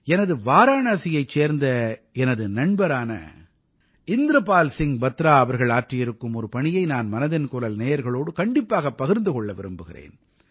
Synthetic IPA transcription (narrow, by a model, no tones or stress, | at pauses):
ɛnɐðɯʋaːɾaːnaːsɪjɐɪt͡ʃːeːɾnd̪ɐ | ɛnɐðɯnɐɳbɐɾaːnɐ̰ | ɪnd̪ɾɐpaːlsɪŋbɐt̪ːɾaːɐʋɐɾɣɐɭaːʈrɪjɪɾɯkːɯmɔɾɯpɐɳɪjɐɪnaːnmɐnɐðɪnkʊɾɐlneːjɐɾɣɐɭoːɽɯkɐɳɖɪpːaːɣɐpːɐɣɪɾnd̪ɯkɔɭːɐʋɪ̰ɾɯmbɯɣɪ̰rḛːn